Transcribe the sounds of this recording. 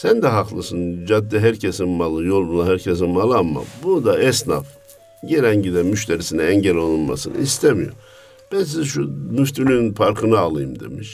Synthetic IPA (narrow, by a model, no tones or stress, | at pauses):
sænd̪ɛɦaqlˠɯsɯnd͡ʒad̪ːiɦæɾcʰesinmalˠɯjo̞lˠbulˠaɦæɾcʰes̬inmalˠamːa̰bud̪aɛsna̰f | ɟeɾɛɲɟid̪ɛmyʃt̪ʰeɾisinɛɛɲɟɛlʲonulma̰sɯnɯ̰ist̪ʰemijo̰ | b̥æns̬izʃumyft̪ʰylynnpʰaɾkʰɯnɯalˠɯjɯmd̪e̞̰miʃ